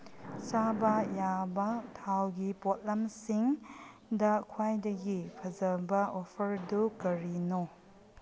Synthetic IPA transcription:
sabɐjabɐtʰawɡipot̚lamsiŋ | dɐkʰwajdɐɡipʰɐzɐbɐopʰɐɾdukɐɾino

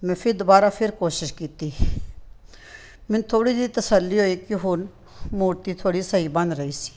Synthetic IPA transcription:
mɛ̃ːpʰɪɾd̪ʊbaːɾapʰɪɾkoːʃɪʃkiːt̪i | mɪ̃nt̪ʰoːɽid̪it̪ɐsəlːiɦoːikiɦʊn | muːɾt̪it̪ʰoːɽisɐɦibɐ̃nd̪ɾɐɦiːsi̥

